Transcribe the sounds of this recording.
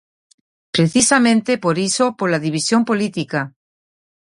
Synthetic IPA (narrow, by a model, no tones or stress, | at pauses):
pɾeθisamẽnt̪epoɾisopoɾlaðiβ̞isjompolit̪ika